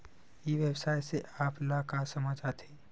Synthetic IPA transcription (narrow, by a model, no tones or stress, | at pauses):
jiʋjəbsaːjseʔaːplakasəməd͡ʒat̪ʰeː